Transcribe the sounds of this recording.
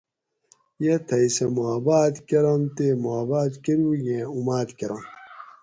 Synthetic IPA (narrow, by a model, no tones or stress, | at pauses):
jet̪ʰɐjsemoabaːt̪keɾɐmt̪emoabaːt̪keɾujẽumaːt̪keɾɐm